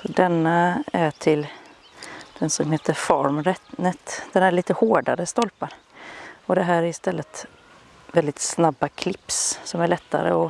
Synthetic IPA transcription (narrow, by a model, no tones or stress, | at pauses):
sɔd̪ɛnːaæʈʰɪl | d̪̥ɛnsɔmɦeːt̪əɾfɔɾmɾɛt̪nət̪d̪̥ɛnæɾɭiːt̪əhoːɖa̰ɾəst̪ɔlpaɾ | ɔd̪ɛɦæːɾæɾɪst̪ɛlːət̪ | vɛld̪ɪt̪snabːakʰlɪpssɔmæɭɛt̪ːa̰ɾə̰ɔ